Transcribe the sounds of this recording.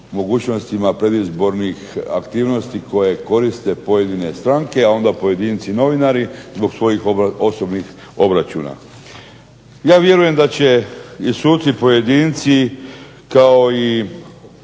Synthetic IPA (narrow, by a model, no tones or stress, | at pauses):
mo̞ɡuːt͡ɕno̞st̪imapɾe̞d̪izbo̞ɾnixa̰kt̪iːʋno̞st̪iko̞je̞ko̞ɾist̪e̞po̞jed̪ine̞st̪ɾaŋke̞ao̞nd̪apo̞je̞d̪iːnt̪sino̞ʋinaɾizbo̞ɡsʋo̞jixo̞so̞bnix | o̞bɾat͡ɕṵːna̰ | jaːʋje̞ɾuje̞md̪at͡ɕe̞isuːt̪sipo̞je̞d̪iːnt̪si | kao̞i